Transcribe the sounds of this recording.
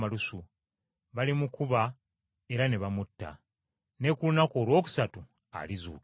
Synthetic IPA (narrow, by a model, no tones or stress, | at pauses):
alusu | βalimukuβa | e̞ɾaneβamutːa̰ | ne̞kulunakoːlwo̞ːku̥satu | a̰lizṵːk